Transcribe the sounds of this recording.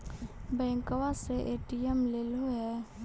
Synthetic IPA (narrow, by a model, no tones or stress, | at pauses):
bɛ̃ːŋkəwaseʔeːʈiəmleːloɦɛ